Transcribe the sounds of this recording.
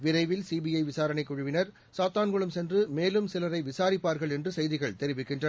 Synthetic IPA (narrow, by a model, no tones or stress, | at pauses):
ʋɪɾɐɪʋɪlsiːbijɐɪʋɪsaːɾɐnɐɪkːʊɻʊʋɪnɐɾ | saːt̪aːnɡɔɭɯmsɛndrɯmeːlɯmsɪlɐɾɐɪʋɪsaːɾɪpːaːɾɣɐɭɛndrɯsɛjðɪɣɐɭt̪ɛɾɪʋɪkːɪndrɐ